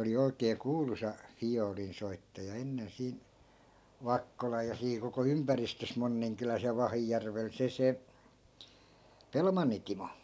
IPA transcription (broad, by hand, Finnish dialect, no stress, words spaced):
oli oikeː kuːlusɑ fijoːlinsoitːɑjɑ enːen siːn̞ ʋɑkːolɑj jɑ siː koko ympæristøs monːiŋkylæs jɑ ʋɑhijærʋel se se pelmɑnːi timo